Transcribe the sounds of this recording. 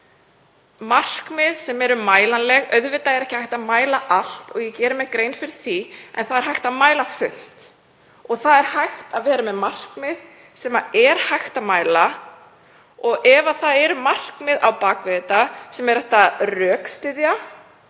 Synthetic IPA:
mar̥kmɪðsɛmɛɾʏmaːjlanlɛɣœðvɪt̪aɛɾɛhcɪhajht̪aðmaːjlaʔal̥t̪ɔɣjɛcɛːɾʏmɛkɾejnfɪɾɪɾ̥θiɛ̰nθaðɛɾ̥ɦajht̪aðmaːjlafʏl̥t̪ | ɔɣθaðɛɾ̥hajxt̪aðvɛːɾamɛðmar̥kmɪð | sɛmaɛɾ̥hajxt̪aðmaːjla | ɔɣɛvaθaðɛɾʏmar̥kmɪðʔa̰wpaːkvɛːt̪asɛmɛɾɛht̪arœːkst̪ɪðja

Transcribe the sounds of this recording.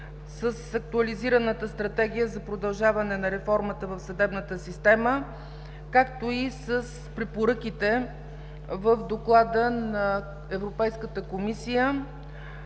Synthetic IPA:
səsɐk̚t̪uɐliziɾənət̪əst̪ɾɐt̪ɛɡ̟ijəzɐpɾod̪ɐlˠʒavɐnɛnɐɾɛfɔɾmət̪əvəfsɐd̪ɛbnət̪əsist̪ɛmə | kakt̪oisəs | pɾɛpoɾɤk̟it̪ɛ | vəfd̪oklˠad̪ənɐ | ɛvɾopɛjskət̪əkomisijə

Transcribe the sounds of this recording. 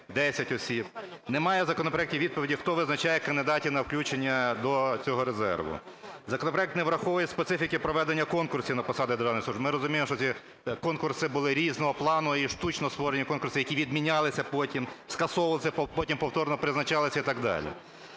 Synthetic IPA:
d̪ɛsʲɐtʲɔsʲibnemɑjɛzɐkɔnɔpɾɔɐɛk̚tʲiʋʲid̪̚pɔʋʲidʲixt̪ɔʋɪznɐt͡ʃajɛkɐnd̪ɪd̪ɑtʲinɐwklʲut͡ʃenʲːɐd̪ɔt͡sʲɔɦɔɾezɛ̰rʋʊ̰zɐkɔnɔpɾɐɛkt̪nɛʋɾɐxɔʋɔjɛspet̪sɪfʲikɪpɾɔʋɛd̪enʲːɐkɔnkʊrsʲinɐpɔsɑd̪ɪd̪eɾrʐɑanɪjxsuʒbmɪɾɔzʊmʲijemɔʃt͡ʃɔsʲi | kɔnkʊrsɪbʊlˠɪɾʲiznɔɦɔplˠɑnʊiʃt̪ut͡ʃnɔɔst̪ʋɔɾenʲːɐkɔnkʊrsʲɪjɐkʲiʋʲid̪mʲinʲɑlˠɪsʲɐpɔtʲimskɐsɔʋɐlˠɪsʲɐpɔtʲimpɔwt̪ɔrnɔpɾɪznɐt͡ʃɑlˠɪsʲɐit̪ɑɡd̪ɑ̰lʲḭ

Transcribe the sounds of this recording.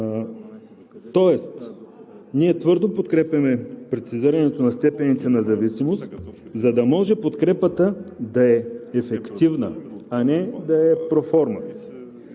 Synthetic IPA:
t̪ɔɛst̪ | niɛt̪vɤɾd̪opot̪kɾɛpɐmɛpɾɛt̪siziɾɐnɛt̪onɐst̪ɛpɛnit̪ɛnɐzɐvisimost̪zɐd̪ɐmɔʒɛpot̪kɾɛpət̪əd̪ɐɛːfɛkt̪ivnə̰ɐnɛd̪ɐɛpɾofɔɾmə̰

